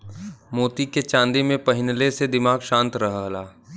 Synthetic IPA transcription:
moːt̪iket͡ʃãːnd̪imẽpɐɦɪnlesed̪ɪmaːɡʃãːnt̪ɾɐɦɦlaː

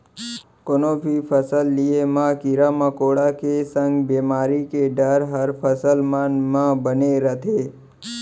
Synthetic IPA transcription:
konobʱipʰəsəlːiemãkiɾamãkoɽakesə̃ŋɡbemaɾikeɖəɾɦəɾpʰəsəlmanmãbəneɾət̪ʰe

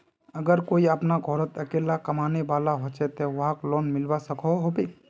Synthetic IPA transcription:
əɡəɾkoiəpnaɡʱɔɾət̪əkeːlakɐmaːneʋaːlaɦot͡ʃɛt̪eʋɦaklɔːnmɪlwasəkʰɔɦobeː

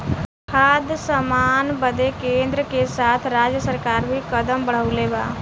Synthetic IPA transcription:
kʰaːd̪səmaːnbəd̪ekẽːnd̪ɾəkesaːt̪ʰɾaːd͡ʒjəsəɾkaːɾbʱikəd̪əmbəɽ̤əʊleba̰ː

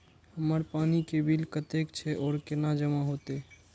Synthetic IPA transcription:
həməɾpanikebʱilkət̪ekt͡ʃʰɛʔɔːɾkenad͡ʒəmaɦot̪e

